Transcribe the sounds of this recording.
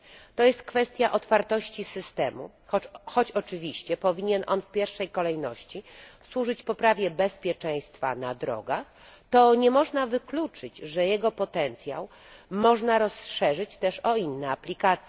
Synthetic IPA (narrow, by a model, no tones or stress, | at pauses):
t̪ɔjɛst̪̚kfɛst̪ʲjaʔɔt̪faɾt̪ɔɕt͡ɕisɘst̪ɛmṵ | xɔt͡ɕɔt͡ʂɘvʲiɕt͡ɕɛpɔvʲiɲɛnʔɔnfpʲjɛɾfʂɛjkɔlɛjnɔɕt͡ɕiswuʐɘt͡ɕpɔpɾavʲjɛbɛspʲjɛt͡ʂɛ̃j̃st̪fa̰na̰d̪ɾɔ̰ɡax | t̪ɔɲɛmɔʐnavɘklut͡ʂɘt͡ɕʐɛjɛɡɔpɔt̪ɛnt̪sʲja̰w | mɔʐnaɾɔsʂɛʐɘt͡ɕt̪ɛʂɔinːɛaplʲikat̪sjɛ